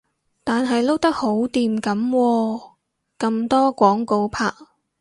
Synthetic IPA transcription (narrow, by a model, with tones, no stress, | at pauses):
t̪aː˨nɦɐ˨jlo˥wt̪ɐ˥k̚ho˨˥wt̪iː˨mkɐ˨˥mwɔː˧ | kɐ˧mt̪ɔː˥kʷɔː˨˥ŋko˧wpʰaː˧k̚